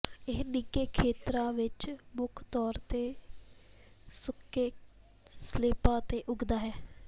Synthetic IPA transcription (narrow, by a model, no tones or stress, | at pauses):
ɪɦnɪkeːkʰeːt̪ɾãːʋɪt͡ʃmʊkʰt̪ɔːɾt̪eː | sʊkːeː | sleːpãːt̪eːʔʊɡd̪aːɦɛː